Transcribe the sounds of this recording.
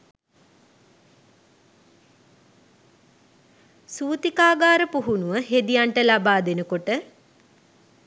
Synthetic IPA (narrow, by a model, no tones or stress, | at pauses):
suːt̪ikaːɡaːɾəpuɦunuʋəɦed̪ijaɳʈəlabaːd̪enəkoʈə